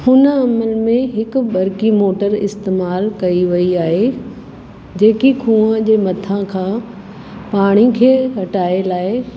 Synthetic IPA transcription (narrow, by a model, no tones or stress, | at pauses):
hʊnəɐmənmẽɦɪkʊɓɐɾkimoːʈəɾɪ̰st̪eːmaːlkɐiʋɐiaːɦe | d͡ʑeːkikʰũːəd͡ʑeːmɐt̪ʰãkʰãː | paːɽ̃ikʰeːɦɐʈaːelaːe